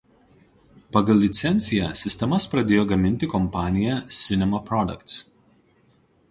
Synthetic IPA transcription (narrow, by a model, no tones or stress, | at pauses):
pɐɡɐlˠʲlʲɪt̪sʲɛnʲt̪sʲɪjæsʲɪsʲt̪ʲɛmɐspɾɐd̪ʲeːjoːɡɐmʲɪnʲt̪ʲɪkɔmpɑːnʲɪjɛsʲɪnʲɛmɐpɾɔd̪ɐ̰kt̪s